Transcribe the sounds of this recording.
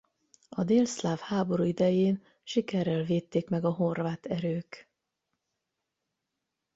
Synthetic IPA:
ɒd̪eːlslaːfhaːbo̞ɾuːid̪ɛjeːn | ʃikɛrːɛlveːt̪ːeːkmɛɡɒɦo̞rvaːt̪ɛɾøːk

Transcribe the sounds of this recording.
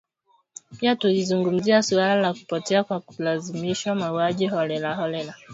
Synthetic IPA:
piatulizuŋɡum̩ziasualalaku̥pɔtɛakwakulazimiʃwamauaʄiɦɔlɛlahɔlɛla

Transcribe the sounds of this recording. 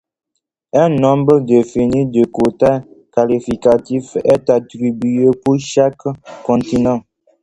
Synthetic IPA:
ɛ̃nɔ̃mbədefinidəkota | kalifikatifɛtatɾibyepuʃakːɔ̃ntinɑ̃

